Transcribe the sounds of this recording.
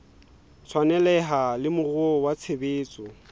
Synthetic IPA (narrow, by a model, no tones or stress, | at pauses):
t͡sʰwanɛlɛɦalɪmʊrʊɔwat͡sʰebeːt͡sʼɔ